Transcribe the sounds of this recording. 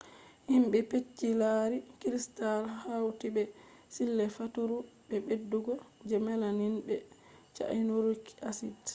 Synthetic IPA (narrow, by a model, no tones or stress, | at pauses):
himɓɛpet͡ʃːilaːɾikɾistalhawtibɛsilːɛfatuɾuɓɛbedːuɡɔd͡ʒɛmalaninbɛ | t͡ʃa̰jnuɾuki̥asid